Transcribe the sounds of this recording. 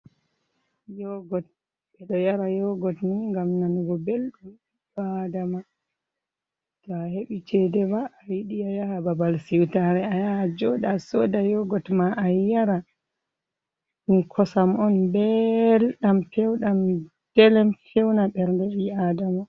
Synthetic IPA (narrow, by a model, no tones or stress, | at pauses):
jɔɡɔt̚ | ɓɛɗɔjaɾajɔɡɔtniŋɡamnanɡɔbelɗumibadama | tɔaheɓit͡ʃɛdɛbaːjiɗiajahababalsiwtaɾɛajad͡ʒɔdasɔdajɔɡɔtmaʔajaɾa | ɗumkʰɔsamɔnbɛlɗampɛwɗam | d̥ɛlɛmkɛwnaɓɛɾndɛɓiadama